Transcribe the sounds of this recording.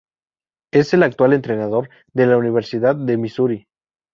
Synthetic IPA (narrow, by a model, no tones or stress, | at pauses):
e̞se̞lak̚t̪wale̞nt̪ɾe̞nað̞o̞ɾ | ðe̞launiβ̞e̞ɾsiðaððe̞misuɾi